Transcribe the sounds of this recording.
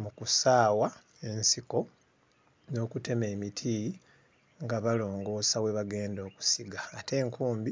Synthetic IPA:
mukusaːwa | ensiko̞ | no̞ːkute̞me̞ːmitʰi | ŋɡaβalo̞ːŋɡo̞ːsawe̞βaɡe̞ːndo̞ːku̥siɡaːte̞ːŋkuːmbi

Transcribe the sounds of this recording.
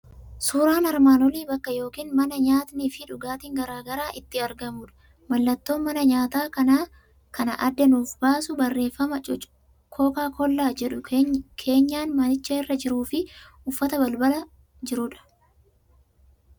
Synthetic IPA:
suːɾaːnɐɾmaːnɔliːbɐkːɐjo̞ːkiːnmɐnɐɲaːt̪nifɪᶑʊɡaːt̪iːŋɡɐɾaːɡɐɾaːʔɪt̪ːɪɐɾɡɐmuːᶑɐ̥ | mɐlːɐt̪ːo̞ːnmɐnɐɲaːt̪aːkɐnaː | kɐnɐʔɐd̪ːɛnuːfbaːsʊbɐrːe̞ːfːɐmɐ | kʰoːkaːkɔlːaːd͡ʒɛᶑʊkʰe̞ːɲːaːnmɐnɪt͡ʃːɐɪrːɐd͡ʒɪɾuːfɪ | ʊfːɐt̪ɐbɐlbɐlɐ | d͡ʒɪɾʊᶑɐ̥

